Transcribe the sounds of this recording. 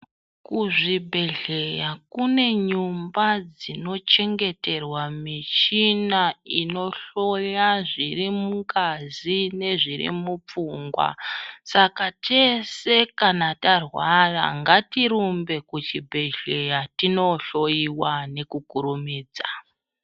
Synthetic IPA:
kuʐibʱe̞ɮe̞jakune̞ɲumbad͡zino̞t͡ʃe̞ŋɡe̞te̞rwamit͡ʃinaino̞ɬo̞jaʐiɾimuŋkazine̞ʐiɾḭmup͡fuŋɡwa̰sakate̞se̞kanatarwara̰ŋɡatiɾumbe̞kut͡ʃibʱe̞ɮe̞jatino̞ɬo̞jiwane̞kukuɾumiːd͡za

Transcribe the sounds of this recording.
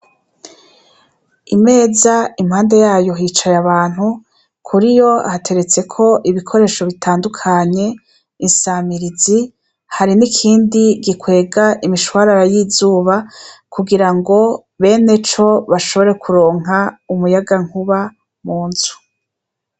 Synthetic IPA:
ime̞ːzaimhaːnde̞jaːjo̞ɦiːt͡ʃajaβaːn̥hu | kʰuɾijo̞a̰hatʰe̞ɾe̞t͡se̞kʰo̞ʔiβikʰo̞ɾe̞ːʃo̞βitʰaːndukʰaɲe̞ | insamiɾizi | haɾinikʰiːndiɡikwe̞ːɡaʔimiʃwaɾaɾajiːzuːβakʰuɡiɾaŋɡo̞ | βe̞ːne̞t͡ʃo̞βaʃo̞βo̞ɾe̞kuɾo̞ːŋ̥aumujaɡaŋ̥uβa | muːnz̥u̥

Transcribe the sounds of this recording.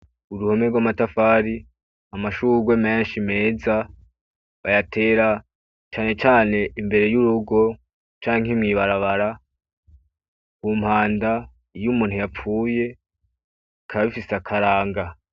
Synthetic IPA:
uɾuho̞meɡwamatafaːɾi | amaʃuɾɡweme̞ːnʃime̞ːza | βajatʰe̞ːɾa | t͡ʃaːne̞t͡ʃaːne̞imbe̞ɾe̞juɾuɡo̞ | t͡ʃaːŋhemŋiβaɾaβaɾa | kum̥haːnda | jumuːn̥hujap͡fuːje̞ | kʰaβaβifiseakʰaɾaːŋɡa

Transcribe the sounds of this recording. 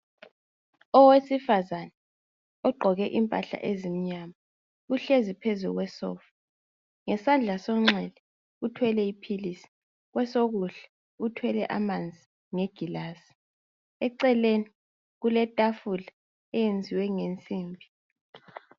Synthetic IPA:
ɔwesifazanɛ | ɔɡ͡ǃʱɔɣɛʔimpʼaɬa̰ʔezim̩ɲama | uɬezipʰezuuɣwɛsɔ̰f | ŋɛsand͡ɮʱasɔŋ͡ǁɛlɛ | utʰwɛlɛipʰilisi̥ | ɣwɛsoɣuɬɛ̥ | utʰwɛlɛʔamand͡zʱi | ŋeɡ̥ʱilasi̥ | ɛǀɛleni | ɣulɛtʼafula | ɛjend͡zʱiwɛŋent͡sʼiːmbʱi

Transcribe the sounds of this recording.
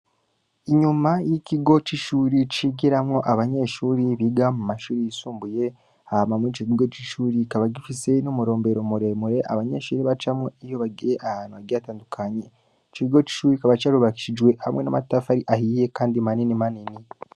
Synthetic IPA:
iɲumajiciɡo̞t͡ʃiʃuːɾit͡ʃiɡiɾamŋo̞ʔaβaɲe̞ʃuːɾiβiɡamumaʃuːɾijisuːmbuje̞ | ahamamuit͡ʃikiɡo̞t͡ʃiʃuːɾikaβaɡifise̞numuɾo̞ːmbe̞ɾomuɾe̞muɾe̞ʔa̰βaɲe̞ʃuːɾiβat͡ʃamŋoijo̞βaɡiɾeʔahaːnhuβaɡiataːndukʰaɲe | t͡ʃiiɡo̞t͡ʃi̥ʃuːɾikaβat͡ʃaːɾuβaki̥ʃid͡ʒwe̞hamŋena̰matafaɾiʔahije̞kaːndimaninimanini

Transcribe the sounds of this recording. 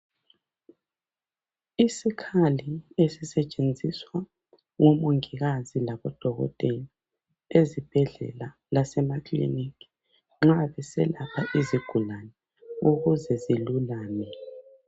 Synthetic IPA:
isikʰaliesisɛt͡ʃʼend͡zʱiswa | ŋomoŋiɣazilaβɔd̥ʱɔɣɔ̰tʼeli | ezib̥ʱɛɮɛ̰la | lasɛmaklḭniki̥ | ŋ͡ǁaβɛsɛ̰lapʰaʔiziɡ̥ʱulanɛ | uɣuzɛzilulaːnɛ

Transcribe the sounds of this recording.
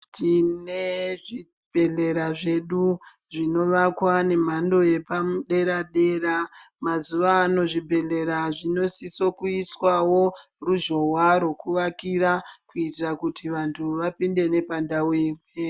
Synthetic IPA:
tʰineʐi | b̥ʱe̞ɮe̞ɾaʐe̞ɗu | ʐino̞ʋakwane̞m̤ando̞je̞pamuɗe̞ɾaɗe̞ɾa | mazuʋaːno̞ʐibʱe̞ɮe̞ɾaʐino̞siso̞kuiswawo̞ | ruʒo̞ɦwaɾwokuʋakiɾakuitirakutiʋantʰuʋapinde̞ne̞pandawewe

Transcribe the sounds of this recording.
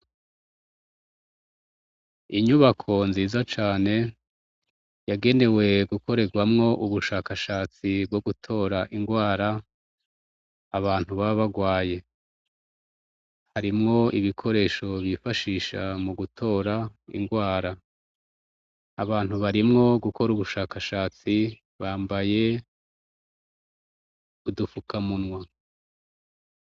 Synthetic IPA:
iɲuβakʰo̞nziːzat͡ʃaːne̞ | jaɡe̞ne̞we̞ɡukʰo̞ɾe̞ɡwamŋo̞ʔuβuʃaːkaʃaːt͡sibɡoɡutʰo̞ːɾaʔiŋɡwaːɾa | βaːn̥uβaββaɡwaːje̞ | haɾimŋo̞iβikʰo̞ɾe̞ːʃo̞βifaʃiːʃamuɡutʰo̞ːɾaḭŋɡwaːɾa | aβaːn̥huβaɾimŋo̞ɡukʰo̞ɾuβuʃaːkaʃaːt͡si | βaːmbaje̞ | udufukʰamunŋwa

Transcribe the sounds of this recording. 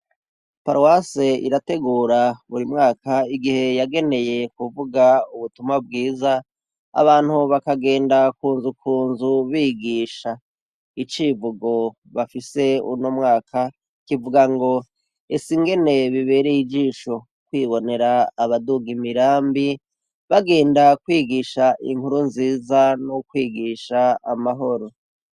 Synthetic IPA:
paɾwaseḭɾate̞ɡuːɾaβuɾimŋaːkaiɡihe̞jaɡe̞ne̞je̞kuvuɡauβutumabɡiːza | a̰βaːn̥huβakaɡe̞ːndakuːnzukʰuːnzuβiɡiːʃa | it͡ʃivuɡo̞ | βafise̞ṵnomŋaːkʰa | kivuɡaŋɡo̞ | esiŋɡe̞ne̞βiβe̞ːɾejid͡ʒiːʃo̞ | kwiːβo̞ne̞ɾaːβaduɡimiɾaːmbi | βaɡe̞ːndakwiːɡiːʃaʔḭŋhuɾunziːzanokwiːɡiʃaːmaɦo̞ɾo̞

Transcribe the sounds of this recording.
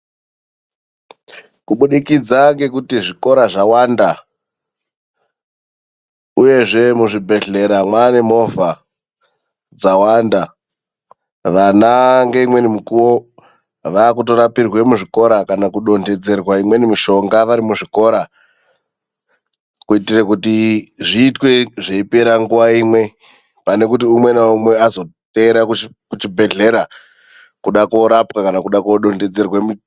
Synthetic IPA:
kuɓuɗikid͡zaŋɡe̞kutiʐiko̞ɾaʐawaːnda | uje̞ʐe̞muʐibʱe̞ɮe̞ɾamwanemo̞vʱa | d͡zawanda | ʋanaŋɡe̞imwe̞nimukuwo̞ | ʋaːkuto̞ɾapirwe̞muʐiko̞ɾakanakuɗo̞nde̞d͡ze̞rwaimwe̞nimiʃo̞ŋɡaʋaɾimuʐiko̞ːɾa | kuitirekutiʐiːtwe̞ʐeipeɾaŋɡuʋaimwe̞ | pane̞kutiumwe̞naumwe̞azo̞te̞ːɾak | kut͡ʃibʱe̞ɮe̞ɾa | kuɗako̞ɾapkakanakuɗakoɗo̞nde̞d͡ze̞rwemu

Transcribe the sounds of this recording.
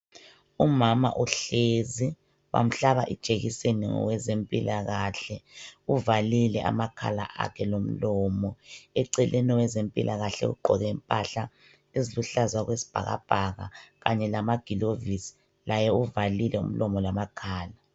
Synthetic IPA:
umama̰ʔuɬezi | wa̰m̩ɬaβaʔid̥ʒ̥ʱeɣiseniŋɔ̰wɛzempʼilaɣaɬɛuvalilɛʔa̰makʰa̰la̰ʔa̰kʰɛlom̩lɔmɔɛǀɛlʔɛnɔwɛzempʼilʔaɣaɬɛ̰ɣṵɡ͡ǃʱɔɣɛːmpʼaɬa | eziluɬazwaɣwesi̥b̥ʱa̰ɣa̰b̥ʱaɣa̰ɣaɲɛlamaɡ̥ʱilovisi̥ | lajɛuvalilɛṵm̩lɔmɔlamakʰaːla

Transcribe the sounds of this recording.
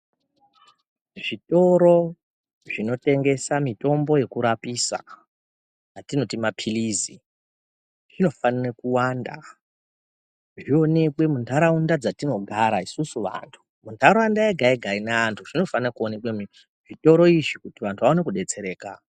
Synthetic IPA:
ʐito̞ɾo̞ | ʐ̥ino̞te̞ŋɡe̞samito̞mbo̞je̞kuɾapisa̰ | jatino̞timapʰilizi | ʐino̞fanirekuwaːnda̰ | ʐio̞ne̞kwe̞muntʰaɾaundad͡zatino̞ɡʱaɾaisusuʋa̰ntʰu̥mundʰʱaɾoandaeɡʱaeɡʱainaantʰuʐ̥ino̞fanirakuone̞kwemi | ʐ̥ito̞ɾo̞iʐikutiʋantʰuʋaone̞kuɗe̞t͡se̞ɾe̞ːka

